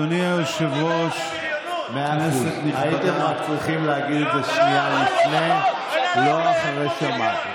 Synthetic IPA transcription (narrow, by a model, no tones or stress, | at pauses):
oniaʃavoʃ | meaeseniait̪eaat͡sʁiχimleaɡid̪teʃnialifne | loaχaʁeʃama